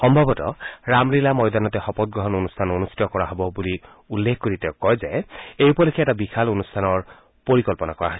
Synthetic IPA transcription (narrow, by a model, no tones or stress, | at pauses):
xɔmbʱabɔtɔ̰ɹamɹilamɔjdanɔtɛxɔpɔt̚ɡɹɔɦɔnonustʰanonusi̥tɔkɔɹaɦɔbɔbuli | ulːekʰkoɹitɛʊkɔjzɛejupɔlekʰɛɛtabikʰalonustʰanɔɹ | poɹikɔlpɔnakɔɹa̰ɦɔs